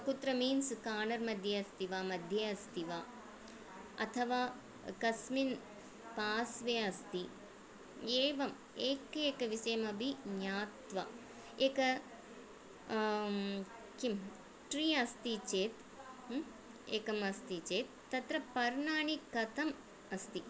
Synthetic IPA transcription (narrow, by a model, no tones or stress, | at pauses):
ɐkut̪ɾɐmiːnskaːɳɐɾmɐd̪ʱjɐɐst̪iʋaːmɐd̪ʱjɐɐst̪iʋaː | ɐ̰t̪ʰɐʋaː | kɐsmin | paːsʋeːɐst̪i | eːʋɐm | eːkeːkɐʋisɐjɐmɐbʱiɲaːt̪ʋɐ̰ | eːkɐ | kim | ʈɾiːɐst̪it͡ʃeːt̪ | eːkɐmɐst̪it͡ʃeːt̪ːɐt̪ɾɐpɐɾɳaːɳikːɐt̪ɐm | ɐst̪i